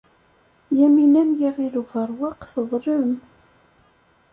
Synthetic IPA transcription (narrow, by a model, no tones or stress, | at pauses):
jæminæmjiʁiluvəɾˤwɑqθəðˤɾəm